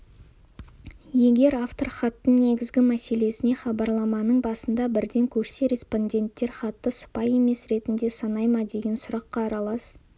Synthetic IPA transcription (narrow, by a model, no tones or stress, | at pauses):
je̞ɡʲe̞ɾaft̪o̞rχɑt̪ːəɴne̞ɡʲɪzɡʲɪmæse̞le̞sɪne̞χɑbɑɾlˠɑmɑnəɴbɑsənd̪ɑbɪɾd̪e̞ŋkʲʰɵʃse̞ɾʲe̞spo̞nʲdʲe̞nt̪ːe̞ɾχɑt̪ːəsə̥pɑje̞me̞sɾe̞t̪ɪnd̪e̞sɑnɑjmɑd̪e̞ɡʲe̞nsʊɾɑqːɑːɾɑlˠɑs